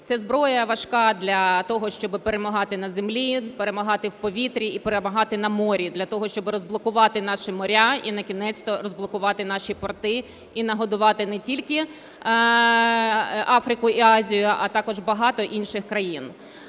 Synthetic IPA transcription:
t̪sɛzbɾɔjɐʋɐʃkɑd̪lʲɐt̪ɔɦɔʃt͡ʃɔbɪpeɾemɐɦɑt̪ɪnɐzemlʲipeɾemɐɦɑt̪ɪwpɔʋʲit̪ɾʲiːpeɾemɐɦɑt̪ɪnɐmɔɾʲid̪lʲɐt̪ɔɦɔʃt͡ʃɔbɪɾɔzblˠɔkʊʋɑt̪ɪnɑʃimɔɾʲainɐkʲinɛt͡sʲt̪ɔɾɔzblˠɔkʊʋɑt̪ɪn̪ɑʃipɔrt̪ɪ | inɐɦɔd̪ʊʋɑt̪ɪnɛtʲilʲkɪ | ɑfɾɪkʊiɑzʲijʊʔɐt̪ɑkɔʒbɐɦɑt̪ɔʔinʃɪxkɾɐjin

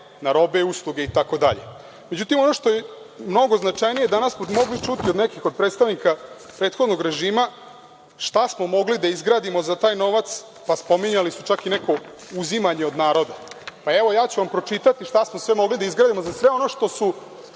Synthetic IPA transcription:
naɾo̞beuslˠuɡeit̪ako̞d̪a̰ʎḛ | me̞d͡ʑut̪imo̞no̞ʂt̪o̞je | mno̞ɡo̞znat͡ʃajnijed̪anasmomo̞ɡlit͡ʃut̪iod̪nekixo̞d̪̚pɾet̪st̪aʋnika | pɾe̞ːt̪xo̞d̪noɡɾe̞ʒiːma | ʃt̪asmo̞mo̞ɡlid̪aizɡɾaːd̪imo̞zat̪aːjno̞ʋat̪s | paspo̞miɲalisut͡ʃakineko̞ | uzimaɲeo̞d̪naːɾo̞d̪apae̞ʋo̞jaːt͡ɕuʋampɾo̞t͡ʃit̪at̪iʃt̪asmosʋe̞mo̞ɡlid̪aizɡɾaːd̪imo̞zasʋe̞o̞no̞ʃt̪o̞su

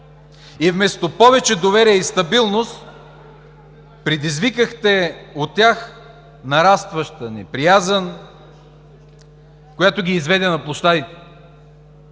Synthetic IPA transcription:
ivmɛst̪opɔvɛt͡ʃɛd̪ovɛɾiɛist̪ɐbilˠnost̪ | pɾɛd̪izvikəxt̪ɛot̪ʲːjax | nɐɾast̪vəʃt̪ənḭpɾijazən | kojat̪oɡʲiːzvɛd̪ɛnɐplˠoʃt̪ad̪it̪ɛ̥

